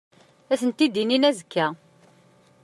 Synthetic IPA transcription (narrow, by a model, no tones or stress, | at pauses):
æθənt̪id̪ininæzəkʰːæ